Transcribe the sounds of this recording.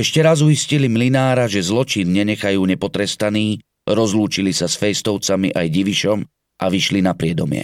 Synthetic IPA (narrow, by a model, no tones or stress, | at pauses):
ɛʃcɛɾazujiscilimlinaːɾaʒɛzlɔt͡ʃinɲɛɲɛxajuːɲɛpɔt̪ɾɛst̪aniː | ɾɔzluːt͡ʃilisasfɛjst̪ɔʊt͡samiʔajɟiʋiʃɔm | ʔa̰ʋiʃlinapɾɪɛd̪ɔmɪɛ̰